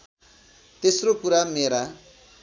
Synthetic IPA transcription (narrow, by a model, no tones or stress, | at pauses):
t̪esrokuɾameɾa